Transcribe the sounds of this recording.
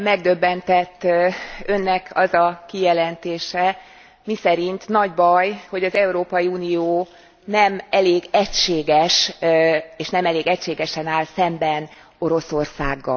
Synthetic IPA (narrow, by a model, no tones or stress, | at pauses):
mɛɡ̚d̪ø̞bːɛnt̪ɛt̪ːø̞nːɛkʰɒzɒkijɛlɛnt̪eːʃɛ | misɛɾint̪nɒɟbɒjho̞ɟɒzɛuɾoːpɒjiuːnijoː | nɛmɛleːɡɛcʃeːɡɛʃ | eːʃnɛmɛleːɡɛcʃeːɡɛʃɛnaːlsɛmbɛn | o̞ɾo̞so̞rsa̰ːɡːɒ̰